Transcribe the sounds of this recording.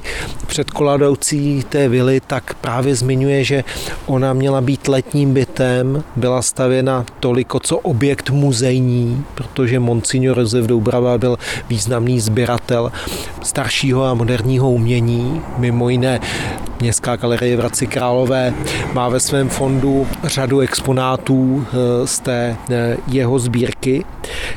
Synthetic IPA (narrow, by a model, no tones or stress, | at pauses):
pr̥ɛt̪ko̞ladowt͡siːt̪ɛːvɪlɪt̪akpɾaːvjɛzmɪɲujɛʒɛʔo̞namɲɛlabiːt̪lɛt̪ɲiːmbɪt̪ɛmbɪlast̪avjɛnat̪o̞lɪko̞t͡so̞ʔobjɛkt̪muzɛjɲiːpɾot̪o̞ʒɛmo̞nt͡sɪɲoɾozɛvdowbɾavabɪlviːznamniːzbjɪɾat̪ɛl | st̪aɾʃiːɦo̞amo̞dɛɾɲiːɦo̞umɲɛɲiːmɪmo̞jɪnɛmɲɛst̪kaːɡalɛɾɪjɛvɾat͡sɪkɾaːlo̞vɛːmaːvɛsvɛːmfo̞ndur̝aduɛkspo̞naːt̪uːst̪ɛːjɛɦo̞zbiːɾkɪ